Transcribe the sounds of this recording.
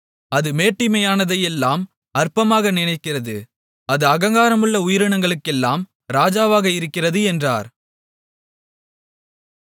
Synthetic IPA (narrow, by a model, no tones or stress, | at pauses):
ɐðɯmeːʈːɪmɐjaːnɐðɐjɛlːaːm | ɐɾpɐmaːɣɐnɪnɐɪkːɪrɐðɯ | ɐðɯɐɣɐŋɡaːɾɐmɯɭːɐʊjɪɾɯɳɐŋɡɐɭɯkːɛlːaːm | ɾaːd͡ʒaːʋaːɣɐɪɾɯkːɪrɐðɯɛndra̰ːɾ